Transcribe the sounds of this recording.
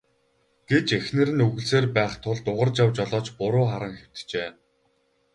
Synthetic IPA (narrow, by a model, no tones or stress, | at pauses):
ɡ̥et͡ɕexnɘ̆ɾɘ̆nɵɣɘ̆ɮseːrpæːχt̪ʰʊɮt̪ʊʁə̆rt͡ɕjawt͡ɕɔɮɔːt͡ɕpʊɾʊːχaɾə̆ŋxew̥t̪t͡ɕeː